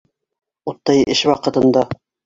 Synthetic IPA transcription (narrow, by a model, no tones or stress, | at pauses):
ut̪ːɑjʔɘ̆ʃwɑqɤ̆t̪ɤ̆nd̪ɑ